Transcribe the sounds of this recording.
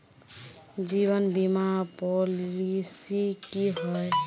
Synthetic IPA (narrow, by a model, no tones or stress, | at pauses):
d͡ʒiβənbimapolisikiɦɔj